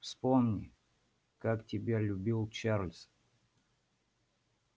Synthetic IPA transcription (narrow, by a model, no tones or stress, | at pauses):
fspomnʲɪ̰ | kaktʲɪbʲelʲʊbʲilˠt͡ɕarlʲs